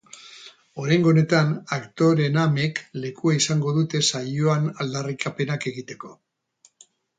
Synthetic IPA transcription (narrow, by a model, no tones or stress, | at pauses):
o̞ɾajŋɡone̞t̪anakt̪o̞ɾe̞name̞kle̞kuaisaŋɡo̞ðut̪e̞sajoanald̪arikape̞nake̞ɣit̪e̞ko̞